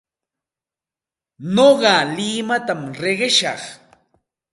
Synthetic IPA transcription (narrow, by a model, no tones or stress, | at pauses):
noɢɑlɪmat̪amɾeɢeʃɑ̰χ